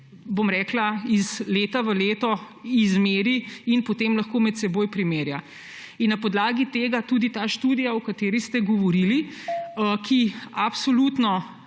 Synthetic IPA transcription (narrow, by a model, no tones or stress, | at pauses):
bomɾɛːklaizleːt̪aʋəleːt̪ɔ | izmeːɾiinpot̪eːmlɐxkoːmɛt̪sɛboːjpɾimeːɾja | inːɐpɔd̪laːɡit̪eːɡat̪uːd̪it̪aːʃt̪uːd̪ijaɔkat̪eːɾist̪ɛɡɔʋɔɾili | kʰiapsoluːt̪nɔ